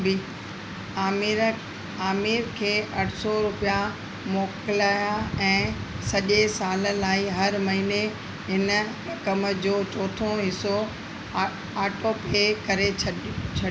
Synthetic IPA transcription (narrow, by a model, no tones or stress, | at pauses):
bɪ | aːmɪɾkʰeːʔɐʈʰsɔɾʊpija | moːkɪlaːjaɛ̃ː | sɐʄesaːləlaːiɦɐɾmɐɦine | ɦɪnə | kɐmə̆d͡ʑoːt͡ɕoːt̪ʰõɦɪso | aːʈopekɐɾet͡ɕʰɐ